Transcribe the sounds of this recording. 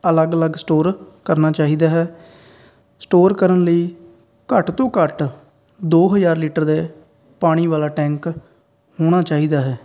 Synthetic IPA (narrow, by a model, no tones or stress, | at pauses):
ələɡələɡsʈoːɾkəɾnaːt͡ʃaːɦiːd̪aːɦɛː | sʈoːɾkəɾənləiː | kəʈt̪õːkəʈ | d̪oːɦəzaːɾliːʈəɾd̪eː | paːɽ̃iːʋaːlaːʈɛ̃ːŋk | ɦoːɽ̃aːt͡ʃaːɦiːd̪aːɦɛː